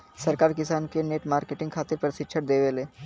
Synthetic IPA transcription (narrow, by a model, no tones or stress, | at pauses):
sɐɾkaːɾkɪsaːnkeneːʈmaːɾkeːʈɪ̃ŋɡkʰaːt̪ɪɾpɾɪsɪkʃʰəʈ̚d̪eːʋeleː